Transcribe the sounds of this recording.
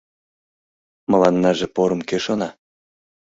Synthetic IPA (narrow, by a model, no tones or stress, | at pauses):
mə̆lɑnːɑʒĕpoɾɤmkeʃonɑ